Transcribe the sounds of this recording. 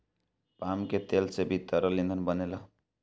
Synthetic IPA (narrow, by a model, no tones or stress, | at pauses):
pamket̪elsebʱit̪ːəɾʌlind̪ʱənbʌnelʌ